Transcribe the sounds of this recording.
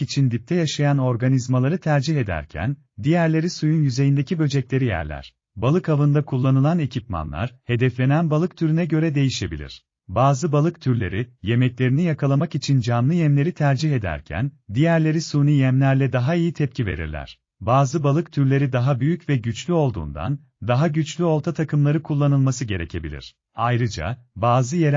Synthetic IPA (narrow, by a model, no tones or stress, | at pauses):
it͡ʃʰind̪ip̚t̪ʰɛjaʃajano̞ɾɡanizmalˠaɾɯt̪ʰæɾd͡ʒiɦe̞d̪æ̰ɾcʰæ̰n | d̪ijæɾlʲe̞ɾisujunjyze̞jind̪ecʰibø̞d͡ʒɛclʲe̞ɾijæ̰ɾlʲæ̰ɾ̥ | balˠɯkavɯnd̪akʰulˠːanɯlˠane̞cʰipma̰nlˠa̰ɾ̥he̞d̪ɛflʲe̞nænbalˠɯk̚t̪ʰyɾynɛɟø̞ɾɛd̪e̞jiʃe̞bḭlʲḭɾ̝̥ | baːzɯbalˠɯkt̪ʰyɾlʲe̞̰ɾije̞mɛclʲe̞ɾinijakʰalˠamakit͡ʃʰind͡ʒamlˠɯjɛmlʲe̞ɾit̪ʰæɾd͡ʒiɦe̞d̪æ̰ɾcʰæ̰nd̪ijæɾlʲe̞ɾisuːnijɛmlʲæɾlʲɛd̪aɦaijit̪ʰɛp̚cʰive̞̰ɾḭɾlʲæ̰ɾ̝̥ | baːzɯbalˠɯkt̪ʰyɾlʲe̞ɾid̪aɦabyjycvɛɟyt͡ʃlʲyo̞lˠd̪ṵːnd̪a̰n | d̪aɦaɟyt͡ʃlʲyo̞lˠt̪ʰat̪ʰakʰɯmlˠaɾɯkʰulˠːanɯlˠmasɯɟe̞ɾɛ̰cʰebḭlʲḭɾ̝̥ | ajɾɯd͡ʒa̰baːzɯjeɾ